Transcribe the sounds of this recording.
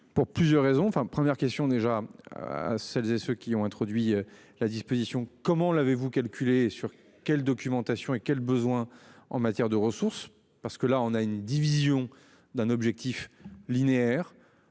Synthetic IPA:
puʁplyzjœʁːezɔ̃ɑ̃fɛ̃pχəmjɛʁkʲɛst̪jɔ̃d̪eʒa | a̰sɛlzesøkʲiɔ̃ɛ̃t̪χɔd̪ɥiø | lad̪ispozisjɔ̃kɔmɑ̃lavevukalkʲʰylesyʁ | kʲɛld̪ɔkʲymɑ̃t̪asjɔ̃ekʲɛlbəzwɛ̃ɑ̃mat̪jɛʁd̪əʁəsuʁs | paʁsə̥kəlaɔ̃naynd̪ivizjɔ̃ | d̪ɛ̃nɔbʒɛk̚t̪iflineɛʁ

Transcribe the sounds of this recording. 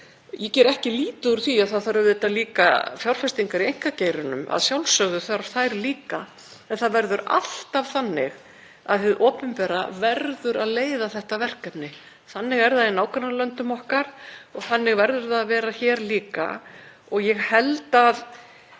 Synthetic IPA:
jɛcɛːɾɛhcɪliːt̪ʏuɾ̥θiaðθaðθaɾʏvðt̪aliːka̰fjawɾ̥fɛst̪iŋkaɾiejŋ̥kaceːjɾʏnʏ̰ma̰ðsjawlsœɣðʏθɾḁθajɾliːka | ɛnθaðvɛɾðʏɾa̰l̥t̪av̥θanːɪ̰ɣ | a̰ðfɪðʔɔːpʏmpɛːɾavɛɾðʏɾaðleːjðaθɛht̪avɛr̥kap̪nɪ | θanːɪɣɛɾðainaːwkʰaɾnalœnt̪ʏmɔhkaɾ̥ɔɣθanːɪɣvɛɾðʏɾθaðavɛːɾaçɛːɾliːka̰ | ɔɣjɛɣhɛlt̪aːð

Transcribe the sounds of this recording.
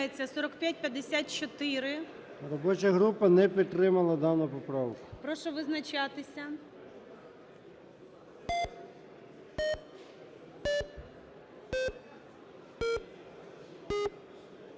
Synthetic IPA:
et͡sʲːɐsɔɾɔkpʲjat̚ʲpʲjɐd̪ːesʲat̪̚t͡ʃɔt̪ɪɾɪ | rɔbɔt͡ʃɐɦɾupɐnɛpʲid̪̚t̪ɾɪmɐlˠɐd̪ɑnʊpɔpɾɑwkʊpɾɔʃɔʋɪznɐt͡ʃɑt̪ɪsʲɐ

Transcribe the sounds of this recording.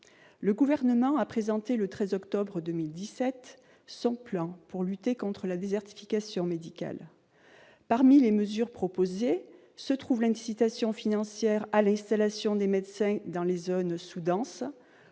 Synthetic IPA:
ləɡuvɛʁnəmɑ̃apχezɑ̃t̪elət̪χɛzɔkt̪ɔbʁəd̪ømild̪isɛt̪ | sɔ̃plɑ̃puʁlyt̪ekɔ̃t̪χəlad̪ezɛʁt̪i̥fikasjɔ̃med̪ika̰l | paʁmileməzyʁpχɔpoze | sət̪χuvlɛ̃t̪i̥sit̪asjɔ̃finɑ̃sjɛʁalɛ̃st̪alasjɔ̃d̪emɛd̪sɛ̃d̪ɑ̃lezonsud̪ɑ̃s

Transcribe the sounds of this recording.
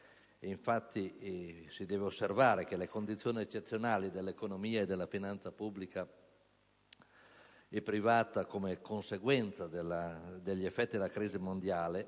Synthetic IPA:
eiɱfat̪ʰːisid̪ɛːveosːervaːɾek̟elekond̪it̪sːjoːniet͡ʃːet̪sːjonaːlid̪elːekonomiːaed̪elːafinant̪sapubːlika | ɛpːɾivaːt̪akomekonseɡwɛnt̪sad̪elːad̪eʎːiefːɛt̪ːid̪elakɾiːzimond̪jaːle

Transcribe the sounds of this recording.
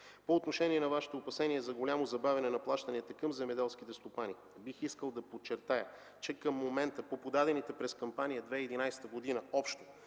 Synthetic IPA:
poːt̪noʃɛniɛnɐvaʃɛ̥t̪oːpɐsɛniɛzɐɡolʲamozɐbavʲɛɐnɛnɐplˠaʃt̪ɐniət̪əkɐmzɛmɛd̪ɛlˠsk̟it̪ɛst̪opani | bixiskəlˠd̪ɐpot͡ʃːɛɾt̪ajə | t͡ʃɛkəmːomɛnt̪əpopod̪ad̪ɛnit̪ɛpɾɛskɐmpanijəd̪vɛiːd̪inajsɛ̥t̪əɡod̪inəɔpʃt̪o̥

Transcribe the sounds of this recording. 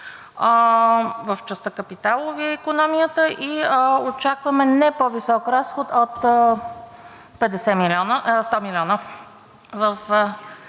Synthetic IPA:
vəft͡ʃəst̪əkəpit̪alˠoviɛikonɔmijət̪əʔiəot͡ʃakvɐmɛnɛpovisɔkɾasxot̪ot̪ | pɛd̪ɛsɛmilʲɔnəst̪ɔmilʲɔnə | vəf

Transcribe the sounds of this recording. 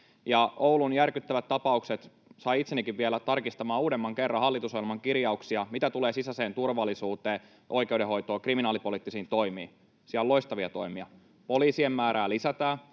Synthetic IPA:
jɑoulunjærkyt̪ːæʋæt̪t̪ːɑpɑukset̪ | sɑiit̪senːikiʋʋielæt̪ɑrkist̪ɑmɑːuːdemːɑŋkerːɑɦɑlːit̪usojilmɑŋkirjɑuksiɑmit̪æt̪uleːsisæse̞ːnt̪urʋɑlːˑisuːt̪eː | ʔojkeudeɦo̞jt̪oːkriminɑːlipoliːt̪ːisiːnt̪o̞jmiː | siællo̞ist̪ɑʋiɑt̪o̞̰jmiɑ | poliːsiemːæːɾʔæːlisæt̪æː

